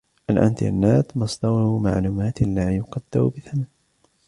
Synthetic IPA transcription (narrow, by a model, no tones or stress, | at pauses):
ʔalʔa̰nt̪ʔa̰nːaːt̪mɑsˤd̪ɑwma̰ʕluːmaːt̪laːjʊqɑd̪̥ːaɾbɪθaman